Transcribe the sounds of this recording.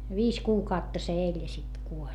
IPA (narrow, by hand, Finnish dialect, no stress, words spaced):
ʋiːs kuːkɑutːɑ se elʲ jɑ sit kuolʲ